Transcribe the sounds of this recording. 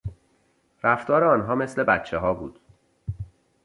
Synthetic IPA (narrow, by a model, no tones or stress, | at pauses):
ɾæft̪ɒːɾeɒːnɦɒːme̞sle̞bæt̪t͡ʃʰːeɦɒːbuːd̪̥